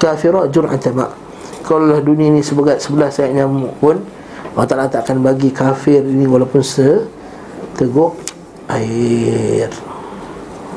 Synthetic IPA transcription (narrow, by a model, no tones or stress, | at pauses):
kafiɾɔt̪̚d͡ʒʊɾa̰nt̪ama̰ʔ | kalalahdunĩainĩsəbəɡat̪̚səbəlahsajaʔɲamʊʔpʊn | wat̪aʔlaʔt̪aʔkanbaɡikafɪriniwalapʊnsə | t̪əɡʊʔ | aɪ | r